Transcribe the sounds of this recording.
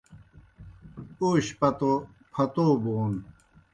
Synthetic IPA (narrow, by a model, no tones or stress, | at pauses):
uːɕpɐt̪o | pʰɐt̪oːboːn